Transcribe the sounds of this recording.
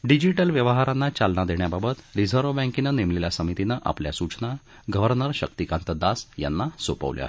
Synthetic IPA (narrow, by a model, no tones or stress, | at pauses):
ɖid͡ʑiʈəlʋjəʋəɦaɾanːat͡ɕalnad̪eɳjababət̪ɾid͡zʱəɾʋbɛ̃ŋkinanemleljasəmit̪inaʔa̰pljasut͡sna | ɡəʋəɾnəɾɕək̚t̪ikãnt̪əd̪asja̰nːasopə̰ʋlj̰a̰ɦe